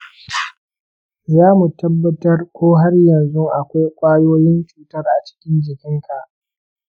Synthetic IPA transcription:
jaː˦mu˨tɐ˦bːɐ˦tɐ˦rkʷoː˦ɦa˦rjɐ˨nzu˦ʔa˨kʷa˦jkʷʼaː˦joː˦jɪ˦nt͡ʃuː˨tɐ˦rʔa˨t͡ʃɪ̥˦kʲɪ˦nd͡ʒɪ˨kʲɪ˦ŋka˨ʔ

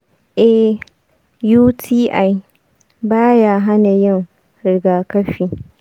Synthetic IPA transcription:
ʔɛ˨ | juː˦tʰiː˦ʔa˨j | baː˦jaː˨ɦa˦na˨jɪ˦˨ŋ | ɾɪ˨ɡaː˨kɐ˦ɸiː˨

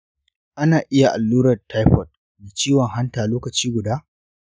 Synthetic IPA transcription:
ʔa˦naː˨ʔɪ˦ja˨ʔa˨lːuː˦ɾɐ˨rtːa˦jɸɔ˨t̚ | neː˨t͡ʃiː˦wɔ˨ŋɦa˦ntaː˨loː˦kɐ˨t͡ʃiː˦ɡʷʊ˨daː˦

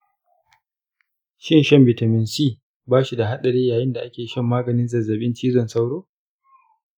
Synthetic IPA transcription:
ʃɪ˦nʃɐ˦mbɪ˨tɐ˨mɪ˨nsiː˦˨ | baː˦ʃi˨da˨ɦa˦ɗɐ˨ɽeː˦jaː˨jɪ˦nda˨ʔa˦kʲeː˨ʃɐ˦˨mːaː˦ɡɐ˨nɪ˦nzɐ˨zɐ˨ɓɪ˦nt͡ʃiː˦zɔ˨nsa˦wɽoː˦

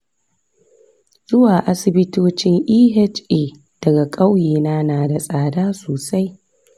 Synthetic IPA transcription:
z̥ʊ˦waː˨ʔa˦sɪ˨bɪ˦toː˦t͡ʃɪ˦ŋʔiː˦ɦɛ˦t͡ʃeː˨ | d̥ɐ˨ɡa˨kʼa˦wjiː˨naː˦naː˨da˨sʼaː˨daː˦soː˨sa˦j

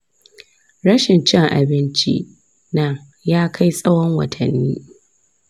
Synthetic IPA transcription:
ɽɐ˦ʃɪ˨nt͡ʃɪ˦ŋʔa̰˨bɪ˦nt͡ʃḭ˦ | nɐ˦ŋ | jaː˦kʰa˦jsʼɐ˦wɔ˦ŋwɐ̰˨tʰɐ˨nːiː˦

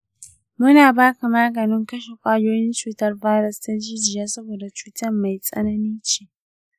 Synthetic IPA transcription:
mʊ˦naː˨baː˦ka˨maː˦ɡɐ˨nɪ˦ŋkɐ˦ʃe˨kʷʼaː˦joː˦jɪ˦nt͡ʃuː˦tɐ˦rbaː˦ɾɐ˦sta˦d͡ʒiː˦d͡ʒɪ˨jaː˦sɐ˦boː˨da˨t͡ʃuː˦tɐ˦rma˨jsʼɐ̰˦nɐ˦niː˦t͡ʃeː˦

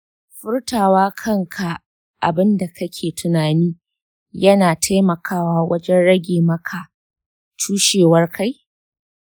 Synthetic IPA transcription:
ɸɪ˦rtaː˨waː˦kʰɐ˦ŋkʰa˨ | ʔa̰˨bɪ˦nda˨kɐ˦kʲʰeː˨tʊ˨naː˨niː˦ | jɐ˦naː˨tʰa˦jmɐ˨kʰaː˦waː˦wɐ˦d͡ʒɛ˦nɽɐ˦ɡʲeː˨mɐ˦kʰa˨ | tʰuː˦ʃeː˨wɐ˦rka˦j

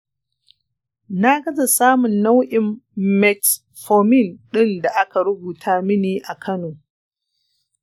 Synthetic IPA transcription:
na˦ɡɐ˦za˨saː˦mʊ˨nːa˦wʔɪ˨mmɛ˨t | fo˨mɪ˦˨nɗɪ˦nda˨ʔa˦ka˨ɾʊ˦buː˨tʰaː˦mɪ˦niː˦ʔa˨kʰɐ˦noː˨

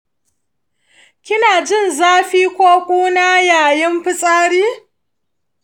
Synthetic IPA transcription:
kʲɪ˦naː˨d͡ʒɪ˦˨nzaː˦ɸiː˦kʷoː˦kʷʼuː˦naː˦jaː˨jɪ˦mɸɪ˦sʼaː˦ɽiː˦

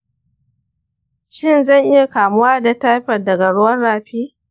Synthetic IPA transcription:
ʃɪ˦nzɐ˦˨ŋʔɪ˦ja˨kaː˨mʊ˦waː˦da˨ta˦ɸɐ˨rdɐ˨ɡa˨ɽʊ˦wɐ˦nɽaː˨ɸiː˦

